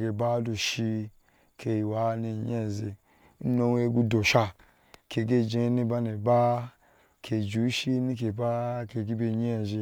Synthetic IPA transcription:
ɡe˧˨ba˦du˧ʃi˧ | kʰe˧˨wa˨˦ni˧˨ɲ˦e˦˨ze˧˦ | no˧we˧˦ɡu˧do˨ʃa˧ | ke˨ɡe˦˨d͡ʒe˧˦ni˦ba˦ne˨ba˦ | kʰe˨d͡ʒu˨˦ʃi˦ni˦k̬e˨ba˦ke˧˨ɡi˦be˧˨ɲe˦˨ze˧

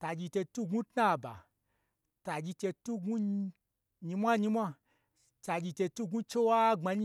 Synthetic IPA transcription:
ta˧d͡ʒi˧te˧tu˦˨ɡũ˦tna˦˨ba̰˨ | ta˧d͡ʒi˧t͡ʃe˧tu˦ɡu˦ | ɲi˧mʷa˦ɲi˧mʷa˧ | t͡ʃa˧d͡ʒi˧te˧tu˦ɡu˦t͡ʃe˦wa˦ŋ͡ma˧ɲi˦

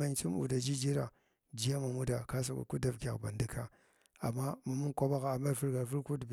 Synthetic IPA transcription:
a˦nt͡ʃi˦m˦ṵ˨da˨d͡ʒi˦d͡ʒi˦ɾa˨ | d͡ʒi˦ja˦ma˨mu˦da˨ka˦s̬a˨ka̰˨ku˦da˦vkʲa̰˨kba̰˨ndi˦ka˦ | a̰˨mːa˦ma˨mu˦kʷa˦ba˦ɣa˨a˨ma˦ɾfu˦ɾɡa˨fu˦ɾku˦db

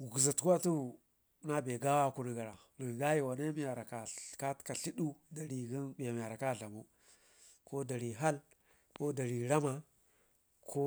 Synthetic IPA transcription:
ɡu˨za˨tka˦tu˦˨˦ | na˦be˨ɡa˦wa˦ku˦˨ni˨ɡa˨ɾa˨ | ni˨ŋ˨ɡa˦ji˨wa˨ne˦mi˦ja˨ɾa˨ka˨ka˦tka˨ɬi˦ɗu˦da˨ɾi˨ɡi˦nba˨m˨ja˨ɾa˨ka˦˨ɮa˨mu˦ | ko˦da˨ɾi˨ɦa˦l | ko˦da˨ɾi˨ɾa˦ma˨ | kʰo˦

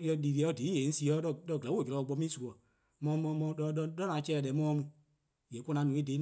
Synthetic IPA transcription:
jɛ˧liː˨ɾi˨ɛ˨˧˦di˨˦jẽ˨˦si˧˦ɔ˨˦dɔ˧˨dɔ˧˨ɡɛ˨˦wo˦˨d͡ʒɛ˨ɾɔ˨˧˨ɡ͡bɔ˧˦mĩ˦su˨kɔ˨ | mɔ̃˧˦mɔ̃˧˦mɔ̃˧ɔ˧˦dɔ˦nã˨˦t͡ʃɛː˦˨dɛ˨˦mɔ̃˦˧mũ˧ | jɛ˨˦ko˧˦nã˧˦nũ˨˦i˦de˨˦

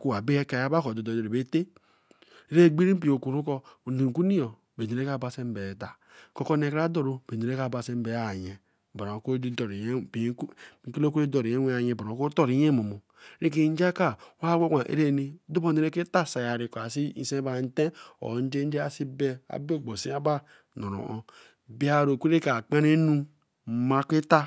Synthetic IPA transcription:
ku˦wa˨be˦e˦ka˨a˦ba˦ko˨do˨do˨o˨ɾe˨be˦te˦ | ɾe˦˨ɡ͡bi˦ɾi˦p̬i˨o˨ku˨ɾu˦kɔ˦˨ne˨ŋ˨ku˦ni˦jo˨ | be˨i˨ɾe˦ka˦˨ba˨se˦m˦be˨ta˨ | ko˦ko˦ne˨kɾa˦do˦ɾo˨be˨e˨ɾe˦a˦˨ba˨se˦m˦be˨˦a˨ɲe˨ | ba˨ɾo˨ko˦do˨ɾi˨ji˨˦˨ki˦lo˦ku˦i˦do˨ɾi˨e˦e˦a˨je˨ba˨o˨˦ko˦to˦ɾi˨˦je˦mo˨mo˨ | ɾi˦k̬i˨n˦d͡ʒa˦ka˦wa˦wʷe˦kʷa˨ʔḛ˦ɾe˦˨ni˦du˦bo˦˨ne˨ɾe˦ke˦ta˦˨sa˨ja˨ɾi˨ko˨a˨si˦i˦˨˦sẽ˦ba˨n˦te˦o̰˨n̩˦d͡ʒe˦d͡ʒe˦a˨si˦be˦a̰˨be˦˨ɡ͡bo˨si˦a˦ba˦ | no˨ɾo̰˨ʔo˦ | bi˦a˦˨ɾo˨kʷu˦ɾe˦ka˨k͡pa˦ne˦nu˦ | ma˦kʷi˦ta˦

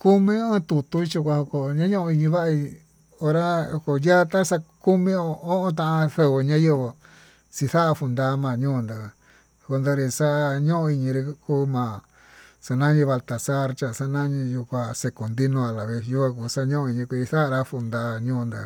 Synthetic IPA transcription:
ku˦mĩ˦ẽ˦˧t̪u˧t̪u˧i˦t͡ʃu˧kʷa˧ho˧ko˧ɲã˦ɲõ˦ʔõ˧i˧ɲĩ˧βa˦ʔa˧i˧ | o˧ɾa˦o˧ko˧ja˦t̪ã˦sa˧ku˦mĩ˧o˧o˦ʔõ˧t̪̬ã˧ʔã˧θe˧βo˧ɲã˦je˧βo˧ | si˧θa˦ʔa˧fu˧nd̪a˧˦mã˧˨ɲũː˦˧nd̪a˧ | ko˧nd̪o˧ɾi˧sa˦ʔɲõ˦ʔõ˧i˧ɲĩ˧ɾi˧kuː˦mã˨ | sa˧nã˦ɲĩ˧βa˧lt̪a˨sa˦˧ɾt͡ʃa˧˨sa˧nã˦ɲĩ˧ju˧kʷa˧se˧ko˨nd̪i˦nõ˧a˧la˨βe˧sju˦kʷa˧ku˧sa˧˦ɲõ˦õ˧i˧ɲĩ˧kʷi˧i˧θa˦ʔa˧ɾa˧fu˧nd̪a˧˦ɲũː˦˧nd̪a̰˧

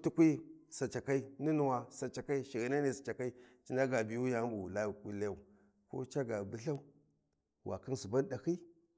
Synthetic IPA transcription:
tu˦kʷi˦sa˨t͡ʃa˨ka˦i˦ni˦nu˨wa˨sa˨t͡ʃa˨ka˦i˦ʃi˨ɣi˨˦na˦ne˨sḁ˨t͡ʃa˨ka˦i˦t͡ʃi˦nda˦ɡa˨bi˨ju˦ja˨˦bu˨la˦˨ku˦la˦˨u˨ | ko̰˦t͡ʃa˦ɡa˨bu˦ɬa˦u˦ | wʔa̰˨ki˦n˦su˨ba˦n˦ɗa˨hi˦

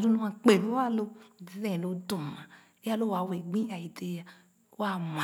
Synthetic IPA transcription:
du˦nũ˧˦ã˧k͡pe˨lo˦a˦˨lo˧˨e˨˧˦zẽ˦˨lo˧du˨mã˨ | e˦a˦lo˦˨wa˨˧we˨ɡ͡bĩ˦a˨i˨te˧˦ja˧˦ | a˦˨ma˨

